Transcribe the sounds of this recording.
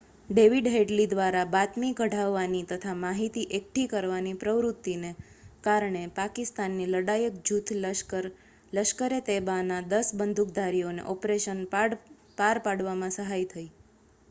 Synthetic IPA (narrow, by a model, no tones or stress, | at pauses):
ɖeʋiɖɦeɖlid̪ʋaɾabat̪miɡʱəɽaʋːanit̪ət̪ʰamaɦit̪iʔek̚ʈʰikəɾʋanipɾəʋɾut̪ːine | kaɾɳepakɪst̪anːiləɽajək̚d͡ʒut̪ʰl | ləʃkəɾet̪ebanad̪əsbənd̪ʱuk̚d̪ʱaɾionḛʔɔpɾeʃən | paɾpaɽʋamãsəɦajt̪ʰəi